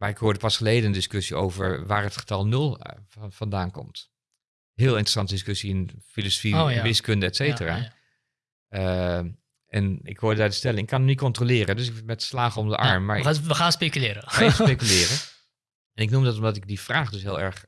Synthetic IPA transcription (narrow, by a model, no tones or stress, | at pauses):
maɹɪkhʊːɹdəpɑsχəleːdəəndɪskøsio̰wvəɹʋaːɹɦətχə̥tɑlˠnølˠfɑndaːnkɔ̰mt | ɦɪːlˠɪntr̥əsɑntədɪskøsiɪnfiloso̥fiʋɪskøndəɛtsejtəra̰ː | ə | ʔɛnɪ̰khʊːɹdəadəstɛlənɪkɑnnitkɔntrolɪːrədøs̬ɪkmɛtslaːχəɔmdə̰ʔɑ̰ɹmːaɹəxaːnspekylɪːɾəaspejkylɪːrə | ɛnɪknumdɔtɔmdɑtɪɡ̚difraːχdøsɦɪːlˠɛ̰ɹχ